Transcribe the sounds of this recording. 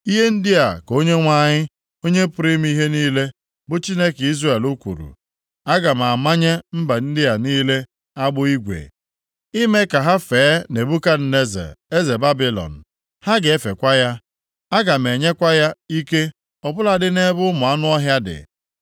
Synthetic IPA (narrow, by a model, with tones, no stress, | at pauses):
i˦ɦe˦n̩˦dɪ˦a˨ko˦ɲe˦ŋʷa˦ɲɪ˦ | o˦ɲe˦pʊ˨ɾɪ˦m˦i˦ɦe˦niː˦le˦ | bʊ˦t͡ʃi˦ne˦ki˦zre˦˨e˨lu˦kʷṵ˨ɾṵ˨ | a˦ɡa˨m̩˨a˨ma˦ɲe˦m̩˦ba˨n̩˦dɪ˦a˨niː˦le˦ | a˦ɡ͡bʊ˦i˦ɡʷḛ˨ | i˦me˦ka˨ɦa˦fe˨˦ne˨bu˦ka˦n̩˨ne˦zḛ˨e˦ze˨ba˦bi˦lɔ̰˨n̩˨ | ha˦ɡe˦fe˨kʷa˦ja˦ | a˦ɡa˨m̩˨e˨ɲe˦kʷa˦ja˦i˦ke˦ | ɔ˨bʊ˦la˨dɪ˦ne˦bʊ˦mʊ˨a˦nʊ˦ɔ˦ɦja˦dɪ̰˨